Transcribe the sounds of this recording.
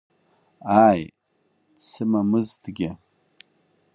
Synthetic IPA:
aj | sʰɨmamɨztɡʲɪ

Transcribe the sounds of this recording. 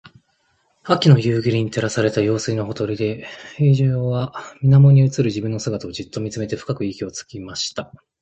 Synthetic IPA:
akʲino̞jɯ̟ːɡʲiɾʲiɲ̟it̪e̞ɾasaɾe̞t̪ajo̞ːsɨinoɦo̞t̪o̞ɾʲid̪e̞ɸeʑoβamʲinamo̞ɲ̟iɯ̟t͡sɨɾɯ̟ʑibɯ̟̃nːo̞sɨɡat̪ao̞d͡ʑit̪ːo̞mʲit͡sɨme̞t̪e̞ɸɯ̟̥kakɯ̟ikʲio̞t͡sɨ̥kʲimaɕi̥t̪a

